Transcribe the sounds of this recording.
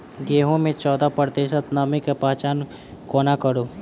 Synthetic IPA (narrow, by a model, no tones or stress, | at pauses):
ɡeːɦõmẽt͡ʃɔːd̪apəɾd̪eːʃət̪namẽkapaːt͡ʃaːn | koːnakəɽoː